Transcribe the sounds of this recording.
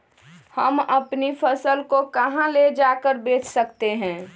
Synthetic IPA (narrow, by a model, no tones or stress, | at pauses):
həməpnifʰəsəlkokəɦãled͡ʒakəɾbeːt͡ʃsəkt̪eɦɛ̃ː